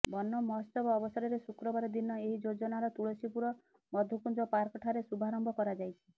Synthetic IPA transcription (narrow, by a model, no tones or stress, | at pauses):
bɔnːɔmɔst̪ɔbɔːbɔsɔɾɔɾesukɾɔbaɾɔd̪inɔeɦid͡ʒod͡ʒɔnaɾɔt̪uɭɔsipuɾɔ | mɔd̪ʱukund͡ʒɔpaɾkɔʈʰaɾesubʱaɾɔmbʱɔkɔɾad͡ʒajt͡ʃʰi